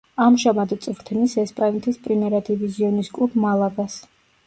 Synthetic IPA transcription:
amʒamad̪t̪sʼvɾt̪ʰnisɛspʼanɛt̪ʰispʼɾimɛɾad̪ʰiviziɔniskʼlˠubmalˠaɡas

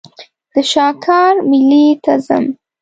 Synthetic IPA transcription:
d̪̥əʃɑkʰɑɾmɪlit̪aza̰m

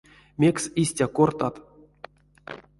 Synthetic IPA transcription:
mʲe̞ksisʲtʲakort̪at̪

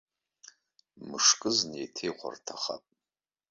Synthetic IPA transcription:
mɨʂkʼɨznejtʰejʁʷa̰rtʰaχa̰pʼ

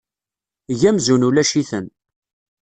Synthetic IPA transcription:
ʝæmzunulæʃiθən

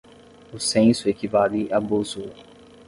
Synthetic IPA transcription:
ʊsẽsʊekivaliʔabozo

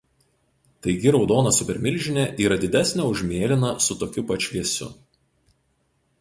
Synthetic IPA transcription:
t̪ɐɪɡʲɪɾɒʊd̪oːnɐsʊpʲɛɾʲmʲɪlʲʒʲɪnʲɛʔiːɾɐd̪ʲɪd̪ʲæsʲnʲæˑʊʒʲmʲeːlʲɪnɐsʊt̪oːkʲʊpɐt͡ʃʲʋʲiɛsʲʊ̰

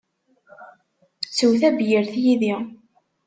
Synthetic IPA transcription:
t͡sːuwθæbjəɾθjiði

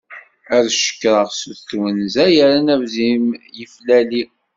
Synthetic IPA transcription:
æðʃə̥kːɾˤəʁsuθθwənzæjəɾænævzimjəflæli

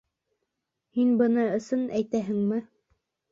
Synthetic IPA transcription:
hinbɤ̆nɤɵ̆sɤnæjt̪æɦɘ̆ŋmɘ

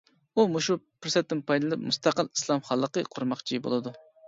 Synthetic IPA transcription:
umuʃupɪɾsɛt̪ːɪnpʰɑjd̪ɨlˠɨp̚must̪ʰɑqəlˠi̥slˠɑmχɑlˠːəqəqʰʊɾmɑχt͡ʃʰibo̰lˠɨd̪u

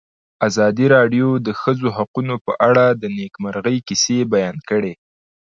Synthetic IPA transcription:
azɑd̪iɾɑɖjod̪əxəzoɦaqunopəʔaɽad̪ənekmaɾɣəjkisebajɑnkəɽe

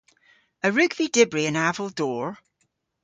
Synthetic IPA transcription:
əɹʉɡvidɪbɹiə̃navəlˠdɔːɹ

